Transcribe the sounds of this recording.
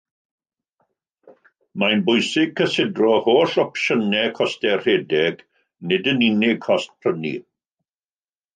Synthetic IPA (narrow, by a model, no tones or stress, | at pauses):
manbʊjsɪɡ̚kʰːəsɪdrɔhoːɬɔpʃənɛkʰɔstɛrreːdɛɡ | nɪdəninɪɡ̚ʰɔst̚pʰr̥ənḭ